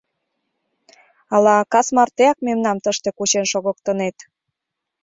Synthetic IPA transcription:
ɑlɑkɑsmɑrt̪eɑk̚memnɑmt̪əʃt̪ekut͡ɕenʃoɣə̆kt̪ə̆net̪

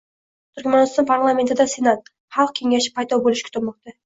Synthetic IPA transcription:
t̪ʰyɾkʲmɑnɪst̪ɑnpʰaɾlˠame̞nt̪ɪd̪asenat̪̚ | χɑlˠq̚kʲʰe̞ŋʲæʃɪ̥pʰɑjd̪ɒbolˠɪʃkʲʰyt̪ʰɪlmɑqt̪ɑ

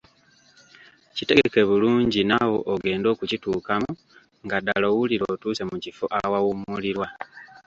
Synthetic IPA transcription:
cite̞ɡeke̞βuluːɲɟinawo̞ʔːɡe̞ːndo̞ːkucituːkamu | ŋɡada̰lo̞ːwuliɾoːtuːsemucifo̰ʔawawumuliɾwa

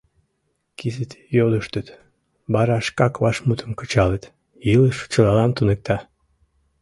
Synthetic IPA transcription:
kizet̪joləʃt̪ət̪ | bɑɾɑʃkɑkβɑʃmut̪ʰəmkə̥t͡ɕɑlət̪ | jiləʃt͡ɕəlɑlɑnt̪unek̚t̪ɑ

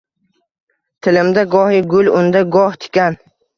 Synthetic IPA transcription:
t̪ʰɪlɪmd̪aɡɒhɪɡʊlʊnd̪aɡɒht̪ʰɪ̥kʲan

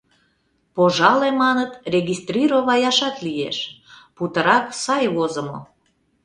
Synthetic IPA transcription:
poʒɑlemɑnət̪rʲeɣist̪rʲiɾoβɑjɑʃɑt̪lijḛʃput̪əɾɑksɑjβozəmo̰

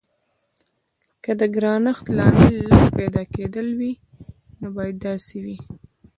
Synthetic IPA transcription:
kəd̪əɡɾɑnəxt̪lɑmɪlːəspad̪ɑked̪əlwi | nobɑjad̪ːɑsewi

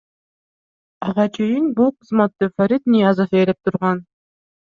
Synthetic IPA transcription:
ɑʁɑt͡ʃʰe̞jinbulˠqʰɯzmɑt̪ːɯfaɾʲit̪nʲijazofelep̚t̪ʰuɾʁɑn

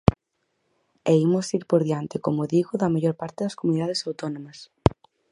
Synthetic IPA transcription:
eimosiɾpoɾðiant̪ɪkomoðiɣʊðɐmaʎoɾpaɾt̪ɪðɐskomuniðað̞esawt̪onõmɐs

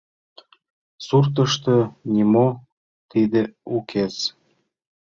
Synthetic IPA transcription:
surt̪əʃt̪ɤnʲimo | t̪id̪eukʰez

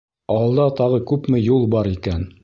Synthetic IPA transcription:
ɑlˠd̪ɑt̪ɑʁɤkʉpmɘjulˠbɑɾikæn

